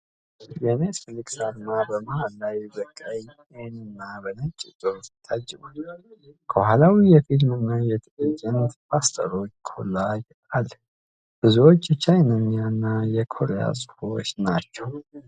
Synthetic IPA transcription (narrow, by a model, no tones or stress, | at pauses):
jenesfɨlikʼsad̪mabəmaalːajbəkʼːaj | enɨnːabənət͡ʃʼːɪt̪ʼoɾit̪ʰːad͡ʒːɨbulkʰəwhalawijɛfilmɨnːajɛt̪ʰɨlət͡ʃʼɪnpʰast̪ʰə̰ɾo̞t͡ʃːkʰolːaj | al | b̥ɨzuwot͡ʃːt͡ʃʰajnaɲːanːajɛkʰo̞ɾeja̰sʼɨ̥hot͡ʃːnat͡ʃːɛw